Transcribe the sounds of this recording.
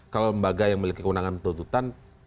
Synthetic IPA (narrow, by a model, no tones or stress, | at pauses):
kaloləmbaɡajaŋməlikikəwunaŋant̪unt̪ut̪an